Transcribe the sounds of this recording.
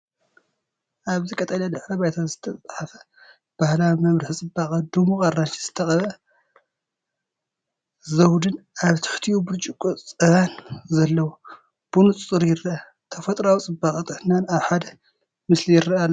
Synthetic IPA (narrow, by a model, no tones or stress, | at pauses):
ʔaβzɨkʼɐt̪ʼɐlɐd̪ɨħɾɐβajt̪ʰazɨt̪ʰɐt͡sʼħafɐ̥ | b̥ahlamɐβɾɨħt͡sʼɨbːakʼɐd̪umukʼarːant͡ʃiz̥ɨt̪ʰɐxʼɐβɐ | zɐwd̪ɨnʔaβt̪ʰɨ̥ħt̪ʰijubɨɾt͡ʃʼikʼut͡sʼɨβanzɐlːɐwu | b̥unut͡sʼt͡sʼɨɾjɪrɐa | t̪ʰɐfɐt̪ʼɾawt͡sʼɨbaχʼɐt̪ʼɨħnanaβħad̪ɐ | mɨslijɪɾɐʔalː